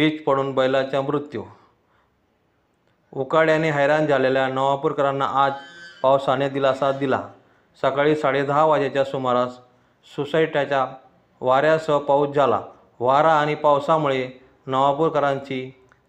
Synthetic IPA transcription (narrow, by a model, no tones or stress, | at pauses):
bit͡spəɽ̃uːnbəjlat͡ɕjamɾut̪ju | ukaɽjaneɦəjɾãnd͡zʱaleljanəʋapuɾkəɾanːa̰ʔad͡zpawsanjad̪ilasad̪ila̰ | səkaɭiːsaɽed̪aʋad͡ʑat͡ɕjasumaɾas | susaiʈjat͡ɕja | ʋaɾjasəpaut͡sd͡zʱala̰ | ʋaɾaːɽ̃ipawsamuɭe | nəʋapuɾkəɾãɲt͡ɕi